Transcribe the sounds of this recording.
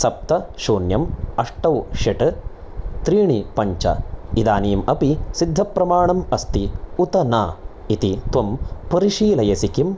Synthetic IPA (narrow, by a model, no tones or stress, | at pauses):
sɐp̚t̪ɐʃuːnjɐmɐʂʈɐwʃɐʈɨ | t̪ɾiːɳipɐɲt͡ʃɐ̰id̪aːniːmɐpisid̪ʱːɐpɾɐmaːɳɐmɐst̪iut̪ɐnaː | it̪it̪ʋɐmpɐɾiʃiːlɐjɐsikim